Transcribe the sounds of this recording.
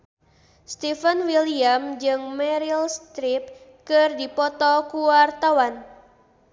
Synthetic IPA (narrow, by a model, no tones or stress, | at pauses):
st̪ifənwiliamd͡ʒɨŋmɛɾilst̪ɾip̚kɨrdipɔt̪ɔkuwart̪awan